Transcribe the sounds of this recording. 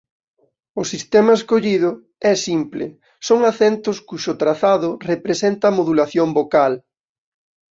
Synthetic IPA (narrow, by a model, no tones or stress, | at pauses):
ʊsist̪ɛmɐeskoʎiðʊ | ɛsimplɪ̰ | soŋaθɛnt̪ʊskuʃʊt̪ɾaθaðʊrepɾesɛnt̪ɐmoðulaθjombokal